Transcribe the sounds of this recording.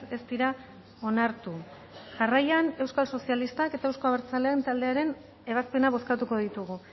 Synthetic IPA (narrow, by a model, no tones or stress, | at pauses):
e̞st̪iɾa | o̞naɾt̪u | ʝarajane̞wskalso̞sialist̪ake̞t̪aewsko̞aβeɾt͡salent̪ald̪e̞aɾe̞n | e̞β̞aspe̞naβ̞o̞skat̪uko̞ðit̪uɣu